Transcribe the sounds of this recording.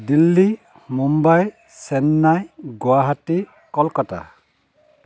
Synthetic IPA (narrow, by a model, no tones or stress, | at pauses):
dilːi | mumbaj | sɛnːajɡwaɦati | kɔlkɔta̰